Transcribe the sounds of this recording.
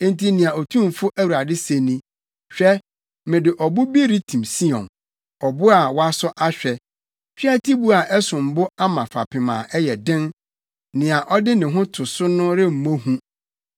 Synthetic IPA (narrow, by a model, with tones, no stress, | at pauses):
n̩˦tʰi˦nɪ̃˨a˨ɔ˨tʰũ˦m˨fʊ˦ʔæ˦wu˨a˨dɪ˦se˨nĩ˦ | ɕᶣɛ˦ | mɪ̃˨dɪ˨ʔɔ˨bʊ˦bi˦ɾi˦tʰĩ˨msi˦ɔ̰̃˨n | ɔ˨bʊ˦a˨wa˦sʊ˦ʔa˦ɕᶣɛ˨ | fᶣi˦a˦tʰi˦bu˦a˨ʔɛ˦sʊ̃˨m̩˨bʊ˦a˦mã˨fa̰˨pʰɪ˨mã̰ː˨ʔɛ˦jɛ˨dɪ̃˦n | nɪ̃˨a˨ʔɔ˦dɪ˦nɪ̃˨ɦʊ̃˦tʰʊ˨sʊ˦nʊ̃˦ɾɪ˦m̩˨mõ˦hũ˦